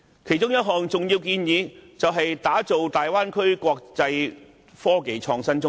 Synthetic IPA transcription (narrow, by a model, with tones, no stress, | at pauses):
kʰe˨˩jt͡ʃʊ˥ŋjɐ˥t̚ɦɔː˨ŋt͡sʊ˨˩ŋjiː˧wkiː˧njiː˨˧t͡sɐ˨wɦɐ˨jt̪aː˨˥t͡so˨wt̪aː˨jwaː˥nkʰɵ˥ɥkʷɔː˧k̚t͡sɐ˧j | fɔː˥ke˨˧jt͡ʃʰɔː˧ŋsɐ˥nt͡sʊ˥ŋ